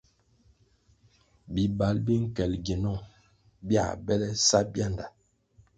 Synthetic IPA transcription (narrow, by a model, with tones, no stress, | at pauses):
bi˨ba˨˦lbi˦ŋ̩˦kɛ˨lɡe˨nɔ˦˨ŋ | bja̰˦˨bɛ˦lɛ˦sa˦bja˦˨nda˨